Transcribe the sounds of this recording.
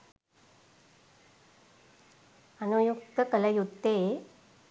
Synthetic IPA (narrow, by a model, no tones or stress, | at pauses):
ənujuk̚t̪əkɐlɐjut̪ːe